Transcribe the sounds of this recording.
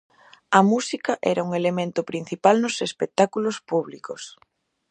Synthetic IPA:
ɐmusikɐʔɛɾauŋelemẽnt̪ʊpɾin̟θipalnʊsespek̚t̪akulospuβlikos

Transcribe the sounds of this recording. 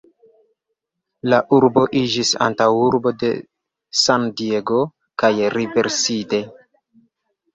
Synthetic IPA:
laʔuɾbo̞ʔid͡ʒisa̰ntawuɾbo̞de̞̰ | sandieɡo̞ | kajɾive̞ɾsite̞

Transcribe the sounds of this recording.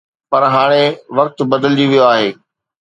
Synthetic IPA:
pɐɾɦaːɽ̃eʋɐk̚t̪bɐd̪əld͡ʑiʋijoaːɦeː

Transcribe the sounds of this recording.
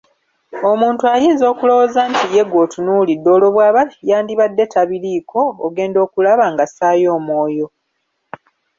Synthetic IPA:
o̞muːntuajiːnzo̞ːkulo̞wozaːntije̞ɡo̞ːtunulidːo̞ːlo̞βwaːβajaːndiβadːe̞tʰaβiɾiːkʰo̞ːɡe̞ːndo̞ːkulaβaŋɡasaːjo̞ːmwoːjo̞

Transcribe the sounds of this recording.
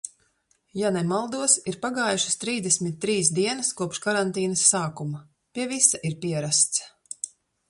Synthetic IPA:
janɛmalˠd̪uɔsiɾpaɡaːjuʃɐ̥st̪ɾiːzd̪ɛsʲmit̪̚ʲːɾiːsd̪iɛnɐskuɔpʃkaɾant̪iːnɐsːaːkuma | pʲiɛvisaʔiɾpiɛɾast̪s

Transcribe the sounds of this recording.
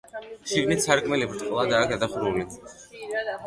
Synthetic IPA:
ʃiɡnit̪sʰaɾkʼmɛlibɾt̪ʼqʼlˠad̪aːkd̪ad̪aχɾuli

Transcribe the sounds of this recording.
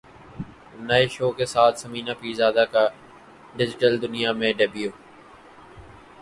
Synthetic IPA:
nəeʃoːkesaːt̪ʰsəmiːnaːpiːzaːd̪aːkaː | ɖɪd͡ʒɪʈəld̪ʊnɪjaːmẽːɖeːbijoː

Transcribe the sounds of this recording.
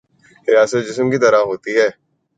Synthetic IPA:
ɾɪjaːsət̪̚d͡ʒɪsmkit̪ɐɾaɦoːt̪iɦɛː

